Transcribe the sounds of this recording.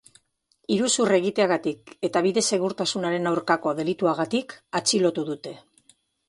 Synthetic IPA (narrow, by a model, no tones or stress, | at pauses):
iɾusure̞ɣ̞it̪e̞aɣat̪ike̞t̪aβiðe̞se̞ɣ̞uɾt̪asunaɾe̞nawɾkako̞ðe̞lit̪uaɣat̪ikat͡ʃilo̞t̪uðut̪e̞